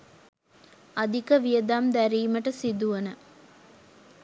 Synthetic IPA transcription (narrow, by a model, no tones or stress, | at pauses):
ɐd̪ʱikəʋijəd̪aːmd̪æɾiːməʈəsid̪uʋɐnə